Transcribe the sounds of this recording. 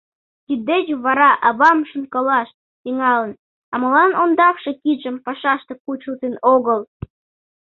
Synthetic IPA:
t̪ʲid̪et͡ɕβɑɾɑʔɑβɑmʃunkɤlɑʃ̚ | t̪iŋɑlə̆n | ɑmɤ̆lˠɑnond̪ɑfʃɤ̆kiʒə̆mpɑʃɑʃt̪ɤ̆kut͡ɕult̪enoɣɤ̆lˠ

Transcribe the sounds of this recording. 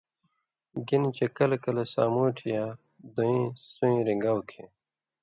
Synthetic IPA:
ɡinit͡ɕekɐlkɐlesa̰ːmuːʈʰija | d̪oĩːsũĩːɾiŋɡawkʰẽ

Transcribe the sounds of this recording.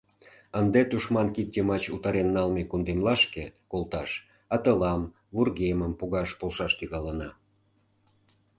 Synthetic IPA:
ənd̪et̪uʃmɑnkip̚t̪ʲemɑt͡ɕut̪ɑɾenːɑlmekund̪emlɑʃkekolt̪ɑʃ | ɑt̪əlɑm | βurɣeməmpuɣɑʃpolʃɑʃt̪yɣɑlənɑ

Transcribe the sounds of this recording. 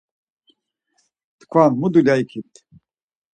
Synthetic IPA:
t̪kʰvanmud̪ulʲaikʰit̪ʰʼ

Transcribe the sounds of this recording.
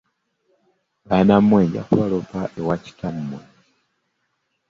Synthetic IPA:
βanamːweːɲɟa̰kuβalopaʔewaci̥tamːwe

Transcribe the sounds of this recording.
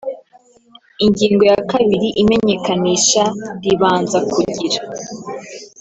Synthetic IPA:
iɲɟiːŋɡo̞jakaβiɾiʔime̞ɲe̞kaniːʃaɾiβaːnzakuɟiɾḁ

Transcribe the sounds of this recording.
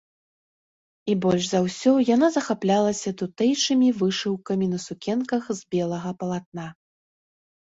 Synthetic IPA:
ibɔlʲʐzawsʲɔjanazɐxaplʲalˠɐsʲɐt̪ut̪ɛjt͡ʂɨmʲivɨʂɨwkɐmʲinɐsukʲɛnkɐxzʲbʲɛlˠɐɣɐpɐlˠat̪̚na

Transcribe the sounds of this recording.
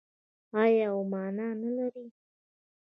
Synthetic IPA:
ɑjɑwmɑnɑnalaɾi

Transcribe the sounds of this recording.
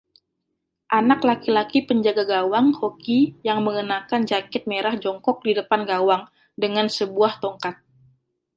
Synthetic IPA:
ʔanaklakilakipəɲd͡ʒaɡaɡawaŋhokijaŋməŋənakand͡ʒakɪt̪̚meɾahd͡ʒɔŋkɔk̚didəpanɡawaŋ | dəŋansəbuaht̪oŋkat̪̚

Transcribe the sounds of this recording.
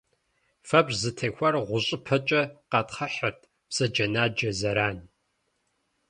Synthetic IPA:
fɐbzɨtʰeːxʷɐrʁʷʊɕʼɪpʰɐt͡ʃʼɐqɑtχɐħɐrtʰ | psɐd͡ʒɐnaːd͡ʒɐzɐɾaːn

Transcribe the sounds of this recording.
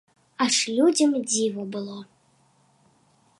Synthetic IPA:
aʂlʲud͡zʲɐmd͡zʲivɐbɨlˠɔ

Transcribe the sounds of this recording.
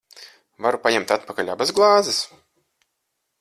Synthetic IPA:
vaɾupaɲɛmt̪at̪pakalʲabazɡlˠɑːzɨs

